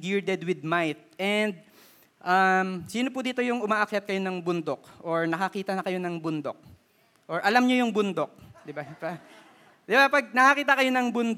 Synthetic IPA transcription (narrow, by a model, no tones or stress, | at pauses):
ɡiɹd̪ɛd̪wɪd̪̚majt̪̚ʔɛnd̪̚ | ʔɐmsiːnopʊd̪iːt̪o̞jʊŋʔʊmaːʔɐkjɐt̪kɐjo̞nɐŋbʊnd̪o̞k̚ʔoɹnɐkɐkiːt̪ɐnɐkɐjo̞nɐŋbʊnd̪o̞̰k̚ | ʔoɹʔɐlamɲojʊŋbʊnd̪o̞k̚d̪ɪbapɐ | d̪ɪbapɐɡ̚nɐkɐkiːt̪ɐkɐjo̞nɐŋbʊnd̪